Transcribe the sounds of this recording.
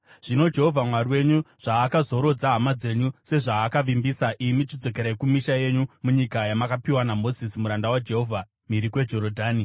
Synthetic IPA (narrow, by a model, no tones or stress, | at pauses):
ʐ̥ino̞d͡ʒe̞ɦo̞vʱamwariwe̞ɲuʐ̥aːkazo̞ɾo̞d͡zaɦamad͡ze̞ɲuse̞ʐaːkaʋimbisaʔimit͡ʃid͡zo̞k̬e̞ɾaekumiʃaje̞ɲumuɲikajamakapiwanamo̞zisimuɾandawad͡ʒe̞ɦo̞vʱa | miɾikwe̞d͡ʒo̞ɾodʱaːni